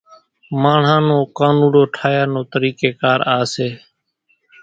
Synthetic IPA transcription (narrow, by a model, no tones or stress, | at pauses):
maːɳ̤ãːnõːkaːnuːɽoːʈʰaːjaːnõːt̪əɾiːkeːkaːɾaːseː